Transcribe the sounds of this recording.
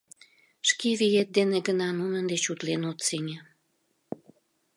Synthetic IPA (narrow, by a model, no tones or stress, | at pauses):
ʃkeβijet̪̚d̪eneɡənɑnunənd̪et͡ɕut̪lenot̪senʲe